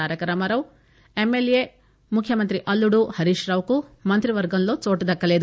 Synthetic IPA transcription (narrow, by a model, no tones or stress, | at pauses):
aːɾjɐkɐɾɐmɐɾɐʋ | emːelje | mukʰjɐmɐnt̪ɾiʔɐlːuɽuhɐɾiʃɾɐːʋkumɐnt̪ɾiʋɐɾɡɐnloːt͡ʃoːʈud̪ɐkːɐleːd̪